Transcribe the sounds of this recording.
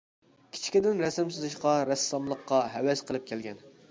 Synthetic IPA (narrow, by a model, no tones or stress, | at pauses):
kʲʰi̥t͡ʃʰi̥kʲid̪ɪnɾɛsɪmsɨzɨʃqɑɾɛsːɑmlˠəqːɑɦɛwɛsqʰəlˠɨp̚kʲʰɛlɡʲɛn